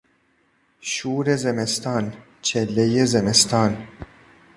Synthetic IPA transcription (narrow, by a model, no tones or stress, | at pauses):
ʃuːɾezemest̪ɑːn | t͡ʃʰelːejezemest̪ʰɑːn